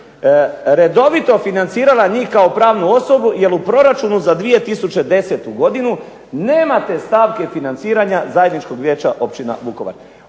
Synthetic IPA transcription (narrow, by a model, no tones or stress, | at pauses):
ɾe̞d̪o̞ʋit̪o̞finant̪siːɾalaɲiːhkao̞pɾaːʋnuo̞so̞buje̞ɾupɾo̞ɾat͡ʃunuzad̪ʋije̞t̪isut͡ʃe̞d̪e̞se̞t̪uɡo̞d̪inu | ne̞ːmat̪e̞st̪aːʋke̞finant̪siːɾaɲazaje̞d̪nit͡ʃko̞ɡʋjeːt͡ʃa̰ʔo̞pt͡ʃina̰ʋuko̞ʋa̰ɾ